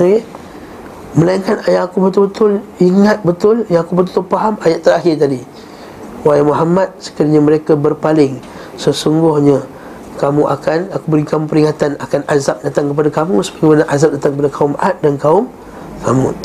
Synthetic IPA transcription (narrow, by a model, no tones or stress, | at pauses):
ke | məlainkanajaʔakubət̪ʊlbət̪ʊliŋat̪̚bət̪ʊljaakubət̪ult̪ʊpaɦamajaʔt̪əɾaɦɪrt̪adi | waimuɦamat̪̚sə̥kəɾiɲaməɾekabərpalɪŋ | səsuŋɡʊhɲa | kamuʔa̰kanakubəɾikamũpəɾiŋat̪anakanazap̚dat̪aŋkəpadakamusə̥baɡemanaʔazap̚dat̪aŋkəpadakaʊmʔat̪̚dankaʊm | kʰamṵ̃